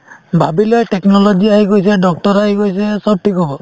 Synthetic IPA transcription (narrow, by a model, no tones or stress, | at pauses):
bʱabilɔjtɛknɔlɔɡiaɦiɡojs̬ɛdɔk̚tɔɹaɦiɡojsɛsɔb̚ʈʰikɦɔbɔ